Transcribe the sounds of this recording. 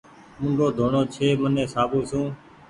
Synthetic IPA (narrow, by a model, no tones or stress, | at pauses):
mʊ̃ŋɡʱoːd̪ʱoːɳoːt͡ʃʰeːmənẽːsaːbũːsũː